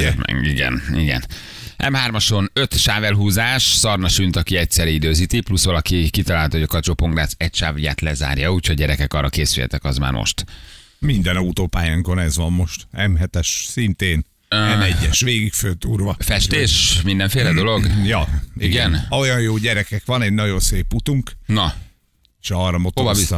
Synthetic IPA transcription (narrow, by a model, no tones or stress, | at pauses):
ɛ̰iɡɛ̰niɡɛ̰n | ʔɛ̰mɦaːrmɒʃo̞nø̞t̪ʃaːvɛlɦuːzaːʃsɒrnɒʃynt̪ɒkiɛcsɛɾiid̪øːzit̪iplusʋɒlɒkikit̪ɒlaːlt̪ɒɦoɟɒkɒt͡ʃopo̞ŋɡraːsɛcʃaːvuja̰ːt̪lɛza̰ːrjɒuːcʰhoɟɛɾɛkɛkɒrːɒkeːsylhɛ̰t̪ɛkɒzma̰ːrmʔo̰ʃt̪ | mind̪ɛnut̪oːpaːjaːŋko̞nɛzʋɒmːo̞ʃt̪ɛmɦɛt̪ɛʃsint̪eːn | ɛmɛɟːɛʃʋeːɡikfølt̪uːrvɒfɛʃt̪eːʃmind̪ɛɱfeːlɛd̪o̞lo̞ɡjɒiɡɛnojɒjjoːɟɛɾɛkɛkʋɒnɛnɒɟo̞nseːpːut̪uŋknɒ | ʃɒɾɒmot̪ovɒvi